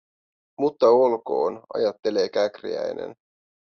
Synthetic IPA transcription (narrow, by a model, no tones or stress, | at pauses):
mut̪ːɑolko̞̰ːnɑ̰jɑt̪ːe̞le̞ːkækrḭæ̰jne̞̰n